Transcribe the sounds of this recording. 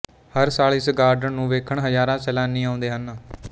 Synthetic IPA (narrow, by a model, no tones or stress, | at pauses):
həɾsaːlɪsɡaːɾɖəɳnũːʋeːkʰəɳɦəzaːɾãːsɛːlãːnːĩːãːʊ̃nd̪eːɦən